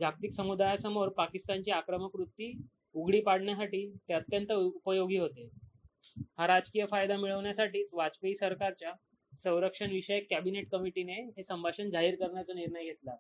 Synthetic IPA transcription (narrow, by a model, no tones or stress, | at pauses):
d͡ʑʱak̚t̪iksəmud̪ajasəmoɾpakist̪aɲt͡ɕiːakɾəməkɾut̪ːiː | uɡɽiːpaɽɳjasaʈiːt̪eət̪jənt̪əupəjoɡiːɦot̪e | haɾad͡ʑkijəfajd̪amiɭəʋɳjasaʈiːt͡sʋat͡speisəɾkaɾt͡ɕja | sə̃w̃ɾəkʂəɳʋiɕəjəkːæbineʈkəmiʈineɦesəmbʱaɕənd͡zaɦiːɾkəɾɳjat͡səniɾɳəjjet̪la